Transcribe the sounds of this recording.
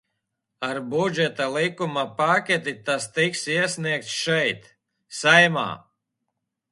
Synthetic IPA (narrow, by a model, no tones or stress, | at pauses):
aɾbud͡ʒɛt̪alˠikumapakʲɛt̪it̪ast̪iksiɛsʲniɛk̚t̪sʃɛjt̪ | sajma̰ː